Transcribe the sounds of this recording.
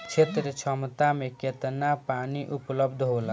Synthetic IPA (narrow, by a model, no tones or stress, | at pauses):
t͡ʃʰet̪ɾet͡ʃʰɔmt̪ameket̪napaniʔupləbd̪ʱɦola